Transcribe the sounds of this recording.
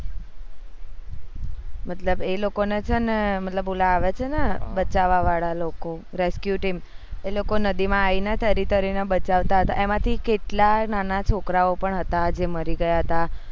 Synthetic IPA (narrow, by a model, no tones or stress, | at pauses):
mət̪ləbelokonet͡ʃʰənemət̪ləbulaːʋet͡ʃʰenebət͡ʃaʋaʋaɭaloko | ɾeskjuʈim | elokonəd̪imãːinet̪ʰəɾit̪əɾinebət͡ʃaʋt̪aɦət̪a̰ʔemãt̪ʰikeʈlananat͡ʃʰokɾaopəɳɦət̪ad͡ʒeməɾiɡəjaɦət̪a